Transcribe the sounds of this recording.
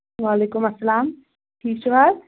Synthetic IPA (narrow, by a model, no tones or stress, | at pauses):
ʋaːleːkʊmɐsːɐlaːm | ʈʰiːkt͡ʃuʋaɾ